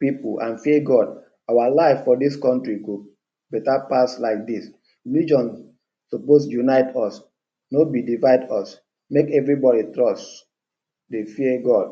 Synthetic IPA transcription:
pipuãnfiəɡɔd | awalaɪvfɔdiskɔ̃ntɹiku | bɛtapaslaɪk̚dis | lid͡ʒɔ̃n | soposjunaɪtʰɔs | nobidivaɪdɔs | mekɛvɹibɔɾitɹɔst | defiəɡɔd̥̚

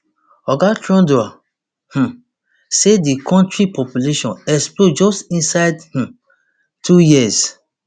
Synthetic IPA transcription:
ɔɡatɹɔ̃ndoa | h̩ | sedikɔ̃ntɹipɔpjuleʃɔ̃nɛksplod͡ʒɔstĩnsaɪdh̩ | tʰujiɛz

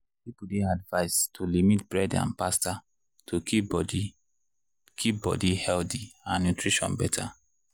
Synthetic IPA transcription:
pipudeadvaɪstʰulimitb̥ɹɛdã̰npasta | tʰu | kʰip̚bɔ̰dihɛltiãnːutɹiʃɔ̰̃nbɛtʰa

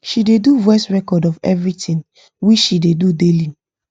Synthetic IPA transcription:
ʃideduvɛstɹɛkɔdɔvɛ̰vɹitĩn | wit͡ʃʃidedudeli

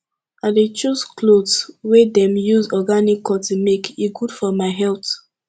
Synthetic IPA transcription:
adet͡ʃusklodswedɛ̃mjuzɔɡanikʰːɔtumekiɡudfɔmaɪɦɛlt

